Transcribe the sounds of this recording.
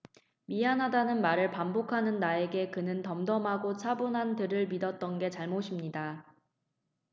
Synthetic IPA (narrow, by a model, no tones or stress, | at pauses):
miɦanɦadanɯnmaɾɯɭpambokʰanɯnːae̞ɡe̞kɯnɯntʌmdʌmɦaɡot͡ɕʰabunɦantɯɾɯɭmidʌt̚t͈ʌnɡe̞t͡ɕaɭmoɕʰimɲida